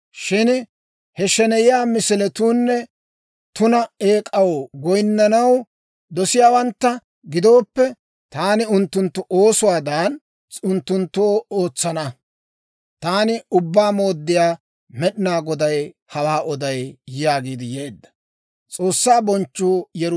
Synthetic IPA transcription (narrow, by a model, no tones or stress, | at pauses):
ʃɪn | hɛʃɛnɛjɪjaːmɪsɪlɛt̪uːnːɛ | t̪ʊnɐeːkʼɐwɡɔjnːɐnɐw | d̪ɔsɪjaːwɐnt̪ːɐ | ɡɪd̪o̞ːpːɛ | t̪aːnɪʊnt̪ːʊnt̪ːʊʔoːsʊwaːd̪aːn | t͡sʼʊnt̪ːʊnt̪ːoːo̞ːt͡sːɐnɐ | t̪aːnɪʊbːaːmo̞ːd̪ːɪjaː | mɛɗɪnaːɡɔd̪ɐj | hɐwaːʔɔd̪ɐjjaːɡiːd̪ɪjeːd̪ːɐ̥ | t͡sʼo̞ːsːaːbɔnt͡ʃːuːjɛɾ